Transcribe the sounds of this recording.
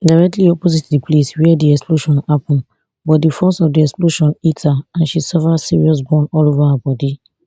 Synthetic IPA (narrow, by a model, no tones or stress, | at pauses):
daɪɹɛk̚tliɔpozitdipʰleswiɛdiɛksploʃɔ̃napɔ̃n | bɔt̚difɔsɔvdiɛksploʃɔ̃nithaãnʃisɔfəsiɹiɔs̬bɔ̃nɔlovahabɔdi